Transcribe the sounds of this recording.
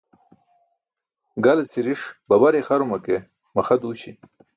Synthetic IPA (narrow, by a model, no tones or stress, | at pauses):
ɡalet͡siɾiʂbɐbaɾexaɾumake | mɐxad̪uɕi